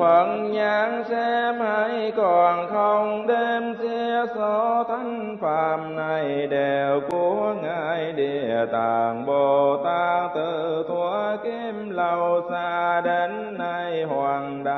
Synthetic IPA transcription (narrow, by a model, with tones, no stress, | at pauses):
fə˨˩nɲaː˨˦ŋsɛ˧mha˧˥˦jkɔ˧˩nxə˧wŋ͡mɗe˧msi˧əsɔ˧˦t̪ʰa˨˧˦jŋ̟faː˨˩mna˧˩jɗe˨˩wku˧˦ŋaː˧˨˧jɗe˧˨˩t̪aː˧˨˩ŋɓo˨˩t̪aː˧t̪ɨ˧˨˩t̪ʰu˨˧˦ki˧˥mlə˨˧˩wsaː˧ɗe˨˦nːa˧jhwaː˧˨˩nɗa˧˩